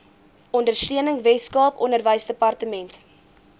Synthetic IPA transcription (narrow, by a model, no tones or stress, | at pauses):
ʔɔndərstiənəŋvɛskɑːpɔ̰nərvəjsdəpɐrtəmɛnt